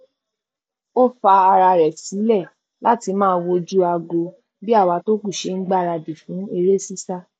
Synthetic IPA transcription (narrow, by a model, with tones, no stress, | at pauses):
o˦fa˧a˧ɾa˧ɾɛ˨si˨˦lɛ˦˨ | la˦ti˧mãː˦˧wo˧d͡ʒu˦a˧ɡo˧ | bi˦a˦˨wa˧to˦ku˦˨ʃe˧ŋ̩˦ɡ͡ba˦˨˧ɾa˧di˨fũ˨˦e˧ɾe˦si˦sa˦